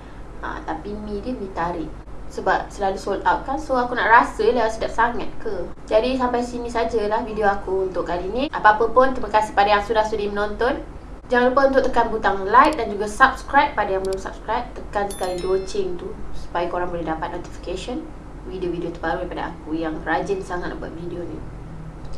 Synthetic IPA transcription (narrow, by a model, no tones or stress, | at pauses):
a̰t̪apimĩdiəmit̪aɾɪʔ | səbap̚səlalusolt̪awt̪̚kansoakuna̰ʔrasəlawasidaʔsaŋat̪̚kəd͡ʒadis̬ampajsimisad͡ʒəlahvidioakuunt̪ʊʔkaliniʔapaapəpʊnt̪ɾimakasɪ̥hpadajaksudahsudimənɔnt̪ɔn | d͡ʒaŋlupaunt̪ʊʔt̪əkanbut̪aŋlajk̪̚dand͡ʒuɡasap̚skɾajp̚ːadajaŋbəlʊmsa̰p̚skɾap̚t̪əkansə̥kalidot͡ʃɪŋt̪usu̥pajakoɾaŋbəlidapat̪̚not̪i̥fi̥kaʃɔn | widiovidiot̪əbaɾudipada̰a̰kujaŋrad͡ʒɪnsaŋat̪̚ʔaba̰ʔ̪̚vidionḭ